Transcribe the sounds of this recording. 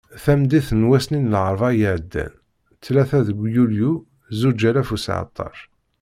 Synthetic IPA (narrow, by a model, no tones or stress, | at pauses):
θæmd̪iθnwæsninəlʕəɾˤvɑjəʕəd̪ːæ̰n | t͡sːlæθæðəɡʷjulju | zud͡ʒælæfusʕə̰t̪ˤːɑ̰ɾ